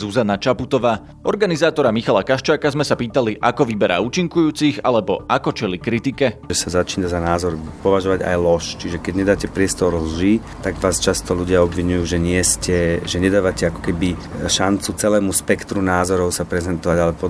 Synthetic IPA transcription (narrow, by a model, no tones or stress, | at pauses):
zuzanat͡ʃaput̪ɔʋaː | ʔɔɾɡanizaːt̪ɔɾamixalakaʃt͡ʃaːkazmɛsapiːt̪aliʔakɔʋibɛɾʔa̰ːuːt͡ʃiŋkujuːt͡siɣa̰lɛbɔʔakɔt͡ʃɛlikɾit̪ikɛʒɛsazat͡ʃiːnazanaːzɔɾpɔʋaʒɔʋaɟa̰jlɔʃt͡ʃiʒɛkɛɟɲɛd̪aːcɛpɾɪɛst̪ɔɾlʒiːt̪aɡʋaːst͡ʃast̪ɔluɟɪaɔbʋiɲujuːʒɛɲɪɛscɛʒɛɲɛd̪aːʋacɛakɔ̥kɛbiʃant͡sut͡sɛlɛːmuspɛkt̪ɾunaːzɔɾɔʊsapɾɛzɛnt̪ɔʋaɟalɛpɔ